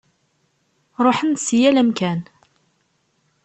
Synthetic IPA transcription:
ɾˤoħənsjælæmkæn

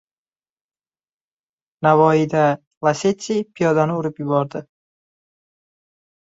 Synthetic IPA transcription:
navɒid̪a | lˠaset̪sʲijpʰijɒd̪anɪʊɾɪpjʊbɒɾd̪ɪ

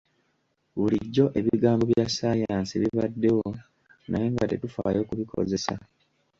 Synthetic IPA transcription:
βuliɟːo̞ʔe̞βiɡaːmbo̞βjasaːjaːnsieβiβadːe̞wo̞ | naje̞ːŋɡate̞tufa̰ːjo̞ːkuβikʰo̞̰ze̞sa̰

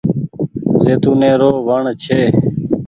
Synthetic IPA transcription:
zeːt̪uːnẽːɾoːʋəɳt͡ʃʰeː

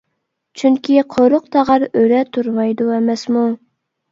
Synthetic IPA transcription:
t͡ʃʰyŋkʲiqʰoɾʊq̚t̪ʰɑʁɑɾøɾɛt̪ʰuɾmɑjd̪uɛmɛsmu

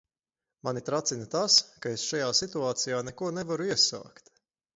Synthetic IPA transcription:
manit̪ɾat̪sinɐt̪askaesʃajaːsit̪uaːt̪sijaːnɛkuɔnɛvaɾuiɛsa̰ːkt̪

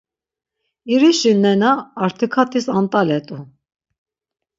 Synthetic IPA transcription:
iɾiʃinːɛnaːɾt̪ʰikʰat̪ʼisant̪ʼalɛt̪ʼu

